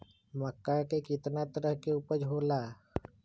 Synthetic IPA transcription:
məkːakekɪt̪nat̪əɾəɦkeuːpəd͡ʒʱoːlaː

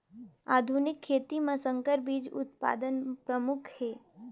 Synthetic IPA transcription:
a̰d̪ʱunɪkʰːet̪imãsə̃ŋkəɾbid͡ʒʊ̰t̪pa̰d̪ənpɾəmʊkʰhe

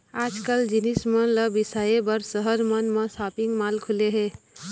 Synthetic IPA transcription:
ad͡ʒkəld͡ʒinismənləbisaebəɾsəɦəɾmənmẽsapiŋɡmalkʰuleɦe

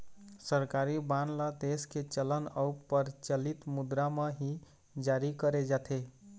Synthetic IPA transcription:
səɾkaɾibanlad̪esket͡ʃələnəupːəɾt͡ʃəlit̪mud̪ɾameɦi | d͡ʒaɾikəɾed͡ʒat̪ʰe

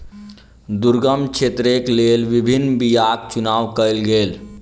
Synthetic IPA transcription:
d̪uɾɡəmt͡ʃʰet̪ɾeklelʋibʱinːbijak̚t͡ʃunaːʋkəjlɡeːl

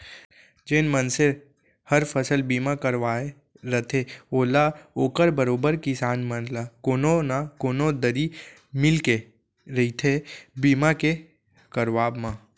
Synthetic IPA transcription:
d͡ʒenmənse | həɾpʰəsəlbiːmakəɾʋaːe | ɾət̪ʰeoːlaoːkəɾbəɾoːbəɾkɪsaːnmənlakoːnonakoːnod̪əɾi | mɪlke | ɾəit̪ʰebiːmake | kəɾʋaːbmã

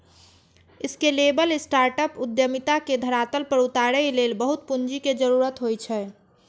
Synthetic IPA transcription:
ɪskelebəlesʈaɾʈəpud̪jəmit̪aked̪ʱəɾat̪əlpəɾut̪aɾɛlelbəɦut̪̚pund͡ʒiked͡ʒəɾuɾət̪ɦojt͡ʃʰɛ

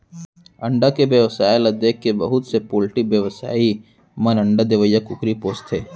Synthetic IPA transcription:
ɐ̃ɳɖakebjəʋsaːelɐd̪ekːebɐɦʊt̪sepoːlʈibjəʋsa̰ːi | mɐnɐ̃ɳɖad̪ɪʋəjːakʊkɾipoːst̪ʰeː

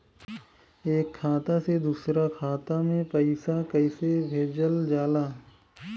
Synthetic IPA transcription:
eːkʰːaːt̪ased̪uːsɾakʰaːt̪amẽpɐɪsakəɪsebʱeːd͡ʒəld͡ʒaːlaː

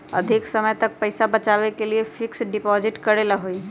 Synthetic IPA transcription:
ɐ̰d̪ʱɪksɐməjt̪ɐk̚pɐɪsabɐt͡ʃaːwekeliefɪksɖɪpɔːzɪʈkɐɾelaɦoi

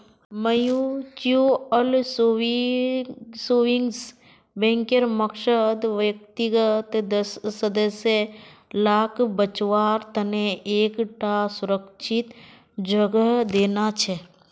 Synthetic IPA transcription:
məjut͡ʃuəlso | soɪŋɡs | bɛ̃ŋkeɾməkʃəd̪ʋjək̚t̪iɡət̪d̪əsːəd̪əselaːkʰbət͡ʃʋaːɾt̪əneʔeːkʈasʊɾəkt͡ʃʰɪt̪ | d͡ʒəɡəɦd̪eːnat͡ʃʰɛ

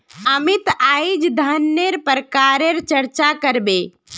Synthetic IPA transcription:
əmit̪ajd͡ʒd̪ʱənːeɾpəɾkaɾeɾt͡ʃəɾt͡ʃakəɾbe

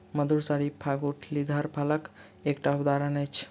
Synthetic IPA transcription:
məd̪ʱuɾsaɽipʰaɡuʈʰlid̪ʱəɾpʰalək | ekʈaud̪aɾənəjt͡ʃʰ

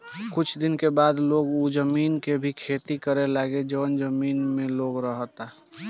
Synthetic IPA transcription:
kʊt͡ʃʰd̪ɪnkebaːd̪loːɡud͡ʒəmiːnkebʱikʰeːt̪ikəɾelaːɡed͡ʒəʋənd͡ʒəmiːnmẽloːɡɾəɦt̪a

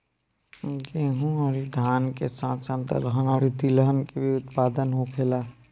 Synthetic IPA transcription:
ɡeɦũɔɾid̪ʱaːnkesãsə̃nt̪ə̰lɦənaɾit̪iləɦənkebʱiʊt̪pad̪ənɦokʰela

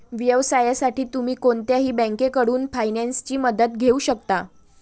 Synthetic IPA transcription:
ʋjəʋsajasaʈiːt̪umiːkoɳt̪jaɦiːbə̃ŋkekəɽuːnfajnanst͡ɕiːməd̪ət̪̚ɡʱeuːɕəkt̪a

